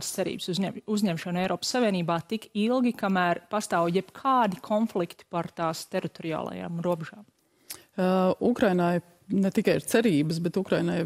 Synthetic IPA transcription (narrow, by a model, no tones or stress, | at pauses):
d̪st̪sɛɾḭːb̥suuzʲɲɛmʃɐnɛjɾʔɔːpəsːaʋʲiɛniːbaːt̪ikilˠɡʲikamæːɾpast̪aːwjɛbkʰaːd̪ikʰɔnflˠikt̪i̥paɾt̪aːst̪eɾit̪oɾia̰ːlˠɐ̰ja̰ːmɾuɔbɛʒaːm | ukɾajnaj | nɛt̪ikajiɾt̪ɛɾiːbəsbɛt̪ukɾajnaj